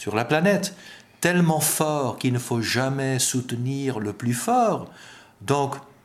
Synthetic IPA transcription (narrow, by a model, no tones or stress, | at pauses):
syʁlaplanɛt̪ː | ɛlmɑ̃fɔʁkilnəfoʒamɛsut̪niʁləplyfɔːʁ | d̪ɔ̃k